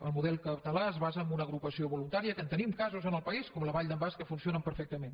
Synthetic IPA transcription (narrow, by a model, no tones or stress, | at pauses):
ə̰lˠmuðɛlˠkəpt̪əlaəzβazəːmbunəɣɾupəsioβulunt̪aɾiəkənt̪ənimkazuzənəlˠpəiskɔmləβaʎd̪əmbaskəfunsionəmpəɾfɛk̚t̪əmen